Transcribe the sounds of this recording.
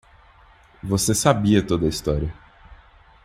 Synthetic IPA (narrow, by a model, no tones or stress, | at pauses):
vosesabiɐt̪od̪ɐist̪ɔɾiɐ